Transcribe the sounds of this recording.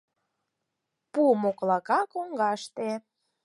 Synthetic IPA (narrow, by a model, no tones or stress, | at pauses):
pumoklɑkɑkoŋɡɑʃt̪e